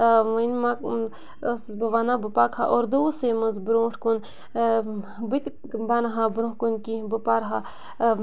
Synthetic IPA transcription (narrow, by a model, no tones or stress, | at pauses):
ʋənmak | əsbɐʋaːnabəpakha̰ʔoːɾd̪oːsemɐzbɾõːʈʰkun | bit̪ | banɦabɾõɦkunkibəpaɾɦa